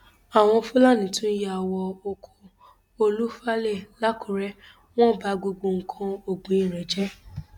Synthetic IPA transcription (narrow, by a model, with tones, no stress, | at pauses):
a˨w̃ɔ̃˧fu˦la˦˨nĩ˨˦tũ˦je˦a˨wɔ˧o˧kʰo˧ | o˧lu˦fa˦le˦˨la˦ku˨˦ɾɛ˦ | w̃ɔ̃˦˨ba˨˦ɡ͡bo˧ɡ͡bo˧ŋ̩˨kʰã˧o˦˨ɡ͡bũ˨˦i˦˨ɾɛ˨d͡ʒɛ˦